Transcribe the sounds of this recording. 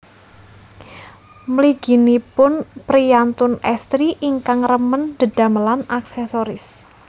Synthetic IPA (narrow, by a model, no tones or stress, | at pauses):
məliɡ̥i̤nipʊnpɾiant̪ʊnɛst̪ɾiʔiŋkaŋrəmənd̪̥əd̪̥a̤məlanaksɛsoɾɪs